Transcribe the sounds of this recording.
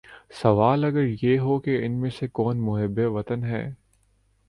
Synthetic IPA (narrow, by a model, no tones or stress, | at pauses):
sɐʋaːlɐɡəɾjeːɦokeɪnmẽsekɔːnmʊɦɪbːeʋɐt̪ənɦɛ̰ː